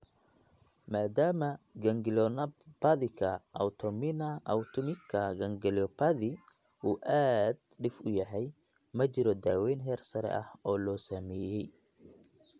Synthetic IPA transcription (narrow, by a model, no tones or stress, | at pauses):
maːd̪aːmɐɡɐŋɡɪlɔnɐpɐðɪkʰɐʔɐ̰wt̪ʰɔmɪnɐʔɐwt̪ʰʊmɪkʰɐɡɐŋɡɪlɔpʰɐðɪ | uːʔaːd̪ɖɪfʊjɐɦɛj | mɐt͡ʃɪɾɔd̪aːwɛjnɦɛːrsɐɾɛ̰ʔɐhɔːlɔːsamɛːjɛj